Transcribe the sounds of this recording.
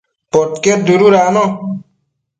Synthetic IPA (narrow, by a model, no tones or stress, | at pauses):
pɔt̪keɾ̚d̪uɾuɾaːnɔ